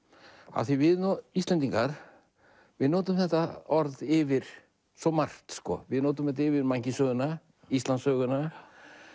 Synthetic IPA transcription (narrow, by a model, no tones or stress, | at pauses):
a̰θivɪðist̪ɛnt̪̬iŋkaɾ̥ | vɪðnoːt̪ʏmθɛht̪aɔɾðɪvɪɾ̥ | sɔmar̥t̪skɔ̰vɪðnoːt̪̬ʏmθɛht̪aɪvɪɾmaɲcɪsœːɣʏna | ist̪lansœːɣʏna